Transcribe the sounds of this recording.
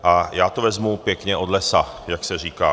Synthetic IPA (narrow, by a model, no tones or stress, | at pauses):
ʔajaːt̪ovɛzmupjɛkɲɛʔod̪lɛsajaksɛriːkaː